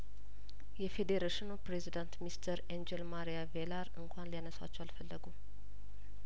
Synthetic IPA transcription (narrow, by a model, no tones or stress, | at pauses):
jɛfed̪eɾeʃɪnupɾezid̪ant̪mist̪ʰəɾend͡ʒelmaɾijavelaɾɨŋkʰʷanlijanəsa̰t͡ʃːɛwalfəlːəɡu